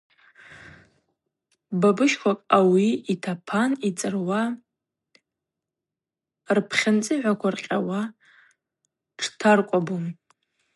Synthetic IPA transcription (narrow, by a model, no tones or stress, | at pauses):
babɨʃkʷʰakʼawiːtʰapʰanit͡sʼɨrwa | rpʰχʲant͡sʼɨʕʷakʷʰarqʲʼawa | ʈ͡ʂʰtʰarkʷʼabum